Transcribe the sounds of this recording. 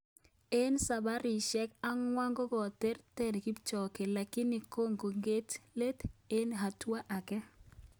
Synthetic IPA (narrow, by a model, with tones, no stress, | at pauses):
e˦nsa˨ba˦ɾi˨ʃɛ˦ka˦ŋwa˦ŋɡo˦ɡɔ˨te˦rte˦˨nki˦bt͡ʃɔ˨ke˨la˨kɪ˦ni˨ko˦ŋɡo˨ŋɡe˦tle˦t̪e˦nɦa˨twa˦ʔa˨kɛ˦